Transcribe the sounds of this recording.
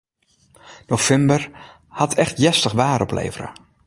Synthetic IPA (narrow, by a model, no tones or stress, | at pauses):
nofɛmbər | hatʰɛxtjɛstəxʋaːɾɔplḛːvərə̰